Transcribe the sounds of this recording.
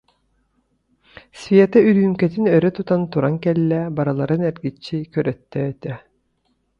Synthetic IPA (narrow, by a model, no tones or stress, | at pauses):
svʲiɛt̪ɛyɾyymkɛt̪inœɾɛt̪ut̪ant̪uɾaŋkɛlːɛbaɾalˠaɾɯnɛɾɡit͡ɕːikœɾœt̪ːɛːt̪ɛ